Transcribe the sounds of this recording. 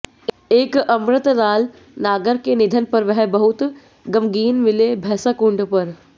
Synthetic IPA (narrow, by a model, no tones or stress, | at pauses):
eːkɐmɾət̪ɾaːl | naːɡəɾkenɪd̪ʱənpɐɾʋɛɦbɐɦʊt̪ | ɡɐmɡiːnmɪlebʱɛːsakʊ̃ɳɖpɐɾ